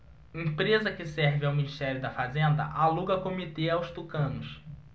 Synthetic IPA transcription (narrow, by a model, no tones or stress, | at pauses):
ẽpɾezɐkɪsɛɾvɪawminiʃt̪ɛɾjʊd̪ɐfazẽnd̪ɐ̰ʔaluɡɐkomit̪eawst̪ukɐ̃nʊs